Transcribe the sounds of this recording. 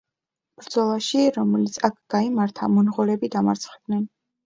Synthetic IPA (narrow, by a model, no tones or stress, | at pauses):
b̥ɾd̪z̥ɔlˠaʃiɾɔmɛlit̪sʰakʰɡ̥aimaɾt̪ʰa̰mɔnʁɔɾɛbid̪amaɾt̪sʰχɛd̪nɛn